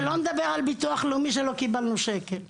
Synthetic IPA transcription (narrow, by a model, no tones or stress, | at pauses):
loned̪abeʁalbit̪uaχlumiʃ̬elokibalnuʃekel